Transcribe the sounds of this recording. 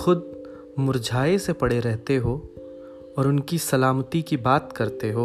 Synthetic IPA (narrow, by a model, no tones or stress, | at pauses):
xʊd̪̚ | mʊɾd͡ʒʱaːesepɐɽeɾɛɦt̪eɦo | ɔːɾʊnkisɐlaːmt̪ikibaːt̪kɐɾt̪eɦoː